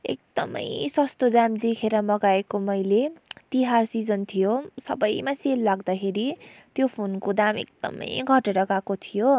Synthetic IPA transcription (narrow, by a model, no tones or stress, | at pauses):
ḛk̚d̪̥ʌ̰mʌ̰jsʌst̪od̪amd̪ekʰeɾʌmʌɡaekomʌjlet̪iɦarsid͡zʌnt̪ʰijosʌ̰bʌjmaselːaɡd̪akʰeɾit̪jopʰonkod̪amḛk̚d̪ʌ̰mʌ̰jɡʱʌʈeɾʌɡakot̪ʰijo